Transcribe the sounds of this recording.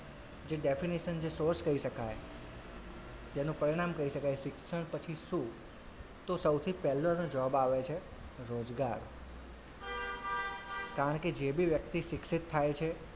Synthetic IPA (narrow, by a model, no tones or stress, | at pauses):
d͡ʒeɖefiniʃənd͡ʒesoɾskəiʃəkaj | t̪enũpəɾiɽ̃amkəiʃəkajʃɪksəɳpət͡ʃʰiʃũ | t̪osəwt̪ʰipɛlːonod͡ʒɔbaʋet͡ʃʰe | ɾod͡ʒɡaɾ | kaɾəɳked͡ʒebiʋjək̚t̪iʃɪksit̪ʰːajt͡ʃʰe